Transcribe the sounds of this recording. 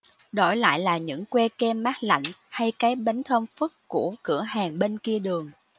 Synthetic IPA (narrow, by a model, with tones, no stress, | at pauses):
ɗo˧˩jla̰ː˧˨jlaː˨˩ɲɨ̰˧˥ŋkwɛ˧kɛ˧mːaː˦˥t̚la̰˧˨jŋ̟ha˧jkaː˨˦jɓa˨˦jŋ̟t̪ʰəː˧mfɨ˦˥k̚ku˧˩əkɨ̰˧˩əhaː˨˩ŋɓe˧nki˧əɗɨ˨˩əŋ